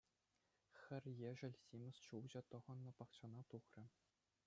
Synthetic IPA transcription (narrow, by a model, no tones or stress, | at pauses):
xʲɘ̆rʲjeʐɘ̆lʲsʲimʲɘ̆st͡ɕuwʑɤ̆t̪ɤ̆ʁɤ̆nːɤ̆pɑkt͡ɕɑnɑt̪uχrʲɘ̆